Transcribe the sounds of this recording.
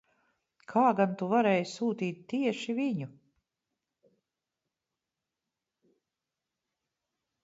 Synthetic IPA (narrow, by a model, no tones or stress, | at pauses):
kʰaːɡant̪uvaɾɛːjsuːt̪iːt̪̚t̪ːiɛʃiviɲu